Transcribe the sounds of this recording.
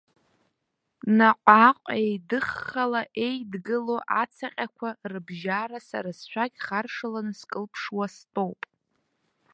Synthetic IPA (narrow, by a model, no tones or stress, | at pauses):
naqʷʼaqʷʼejdɨχːalaʔejdɡɨlo̞ʔat͡sʰaqʲʼakʷʰarɨbʒaɾasa̰ɾasʃʷᶣʰakʲχarʂalanɨskʼɨlpʰʂwastʼo̞wpʼ